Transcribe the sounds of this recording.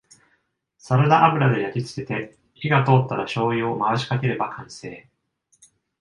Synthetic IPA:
saɾɯnaʔabɯ̟ɾad̪e̞jakʲit͡sɨ̥ke̞t̪e̞ | çiɡat̪o̞ːt̪ːaɾaɕo̞ːio̞maβaɕi̥kake̞ɾe̞bakʰãɰ̃se̞ː

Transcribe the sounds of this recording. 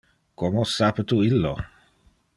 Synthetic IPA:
komosapət̪uilːo

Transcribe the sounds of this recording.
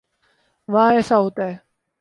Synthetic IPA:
ʋaːɛːsaɦoːt̪aɦɛ

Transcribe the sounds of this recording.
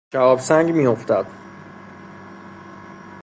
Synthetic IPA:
ʃæɒːbsæŋɡmiːjo̞ft̪æd̪̥

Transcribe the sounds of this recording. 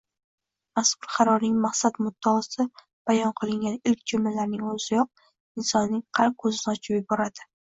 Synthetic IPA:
mashʊɾχɑɾɒɾnɪŋmaqsat̪mʊd̪ːaːsɪ | b̥ajɒnqʰɨlˠɪŋɡʲanɪlkʲd͡ʒʊmɪlaɾnɪŋɵzɪjɒq̚ | ɪnsɒnːɪŋqʰɑɾq̚kʰːɵzɪnɪɒt͡ʃʰɪpjɪbɒɾad̪ɪ

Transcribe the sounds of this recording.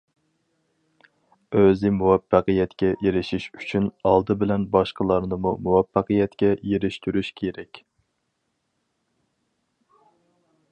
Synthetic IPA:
øzɪmuwɛfːæqəjɛt̪kʲɛjeɾɪʃiʃyt͡ʃʰynɑlˠd̪ɨbɪlɛnbɑʃqəlˠɑɾnɨmumuwɛfːæqəjɛt̪kʲɛjeɾɪʃt̪yɾyʃkʲʰeɾɛkʲ

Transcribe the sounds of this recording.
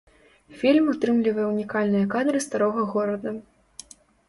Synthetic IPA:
fʲilʲmut̪ɾɨmlʲivɐjɛunʲikalʲnɨjɐkad̪ɾɨst̪aɾɔɣɐɣɔɾɐd̪ɐ

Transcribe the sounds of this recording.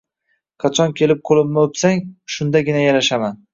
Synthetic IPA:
qʰɑt͡ʃʰɒnkʲʰe̞lɪp̚qʰolˠɪbnɪopsaŋʃʊnd̪aɡʲɪnajaɾaʃaman

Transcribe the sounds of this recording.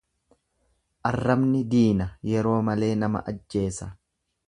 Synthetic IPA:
ʔɐrːɐbnɪd̪iːnɐjɛɾo̞ːmɐle̞ːnɐmɐ̰ʔɐd͡ʒːe̞ːsɐ

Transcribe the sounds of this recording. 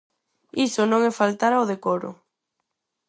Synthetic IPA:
isʊnõŋɛfalt̪aɾaoðekoɾʊ̰

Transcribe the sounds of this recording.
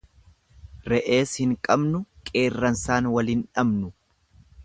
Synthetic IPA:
ɾɛʔe̞ːshɪŋkʼɐbnʊkʼe̞ːrːɐnsaːnwɐliːnᶑɐbnʊ

